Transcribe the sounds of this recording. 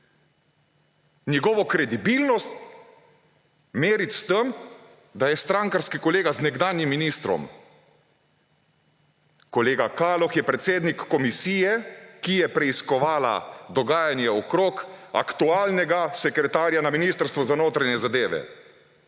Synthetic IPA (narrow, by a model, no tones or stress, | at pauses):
njɛɡɔːʋɔkɾɛd̪ibilnɔst̪ | meːɾit̪st̪əm | d̪ajɛst̪ɾaŋkaɾskikɔleːɡaznɛɡd̪aːnjimːiniːst̪ɾɔ̰m | kɔleːɡakaːlɔxjɛpɾɛt̪seːd̪nikːɔmisiːjɛkijɛpɾɛiskɔʋaːla̰d̪ɔɡaːjanjɛɔkɾoːka̰kt̪uaːlnɛɡasɛkɾɛt̪aːɾjanaminiːst̪əɾst̪ʋɔzanoːt̪ɾaɲɛzad̪eːʋɛ̰